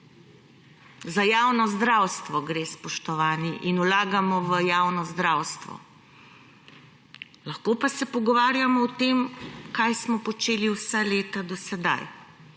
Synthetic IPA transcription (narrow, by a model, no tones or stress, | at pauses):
zajaːwnɔzd̪ɾawst̪ʋɔɡɾeːspɔʃt̪ɔʋaːniʔinulaːɡamɔʋəjaːwnɔzd̪ɾaːwst̪ʋɔ̰ | laxkoːpasɛpɔɡɔʋaːɾjamɔɔt̪eːmkajsmɔpɔt͡ʃeːliwsaleːt̪ad̪ɔsɛd̪a̰j